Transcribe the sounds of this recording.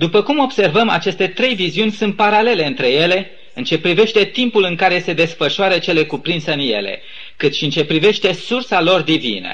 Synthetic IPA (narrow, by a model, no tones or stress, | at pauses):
d̪upəkumo̞bse̞rvəma̰t͡ʃe̞st̪e̞t̪ɾe̞jviziunʲsunt̪̚paɾale̞le̞ɨnt̪ɾe̞je̞le̞ | ɨnt͡ʃe̞pɾive̞ʃt̪e̞t̪impulɨŋkaɾese̞d̪e̞sfəʃoaɾət͡ʃe̞le̞kupɾinseɨnje̞̰lḛ | kɨt̪ʃiɨnt͡ʃe̞pɾive̞ʃt̪e̞sursalo̞rd̪ivḭnə̰